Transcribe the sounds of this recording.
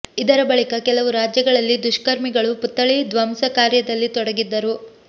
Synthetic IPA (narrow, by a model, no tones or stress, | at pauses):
id̪ɐɾɐbɐɭikɐkɛlɐʋuɾaːd͡ʒjɐɡɐɭɐlːid̪uʃkɐɾmiɡɐɭuput̪ːɐɭid̪ʋɐmsɐkaːɾjɐd̪ɐlːit̪ɔɽɐɡid̪ːɐɾu